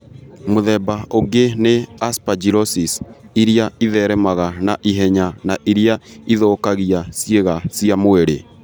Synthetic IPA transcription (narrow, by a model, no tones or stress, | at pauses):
moðɛbaoɡeneaspad͡ʒiɾɔsisiɾiaiðɛɾɛmaɣanaʔiɦɛɲanaʔiɾiaiðɔːkaɣiasjeɣasijamoeɾe